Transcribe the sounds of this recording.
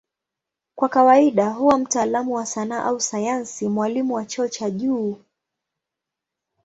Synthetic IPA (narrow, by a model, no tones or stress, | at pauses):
kwakawaiɗaɦuwam̩taːlamuwasanaːʔausajansimwalimuwat͡ʃɔːt͡ʃaʄuː